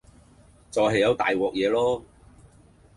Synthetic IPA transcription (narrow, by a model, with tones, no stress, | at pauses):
t͡sɔː˨ɦɐ˨jɐ˨˧wt̪a̰ː˨jwɔː˨k̚jɛː˨˧lɔː˥